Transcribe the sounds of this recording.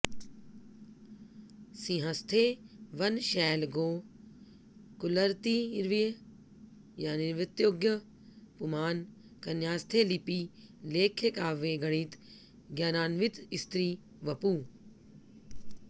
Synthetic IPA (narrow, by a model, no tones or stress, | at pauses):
sĩːɦɐ̃st̪ʰeʋɐnʃɛːlɡoː | kʊləɾt̪iɾʋij | jaːnɪɾʋɪt̪joːɡjə | pumaːn | kɐnjaːst̪ʰelipiːleːkʰekaːʋeːɡɐɽiːt̪ | ɡjaːnaːnʋɪt̪ɪst̪ɾiː | ʋɐpuː